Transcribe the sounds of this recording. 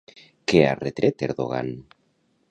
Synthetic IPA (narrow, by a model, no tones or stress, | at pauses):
kea̰ret̪ɾʔet̪eɾðoɣ̞a̰n